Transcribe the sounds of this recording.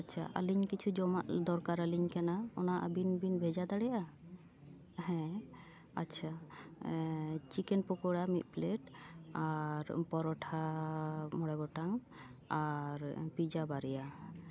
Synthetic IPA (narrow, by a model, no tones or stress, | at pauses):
atːt͡ʃʰa̰ʔa̰liɲkit͡ʃʰud͡ʒɔmaʔd̪ɔɾkaɾaliɲkanaɔ̰naʔbinbinbʱɛd͡ʒad̪aɽɛja | hɛ̃ | a̰tːt͡ʃʰa | t͡ʃikɛnpɔkɔɽamit̪̚ˀpleʈaɾpɔɾɔʈʰa | mɔɽɛɡɔʈaŋ | aɾpid͡ʒabaɾɛja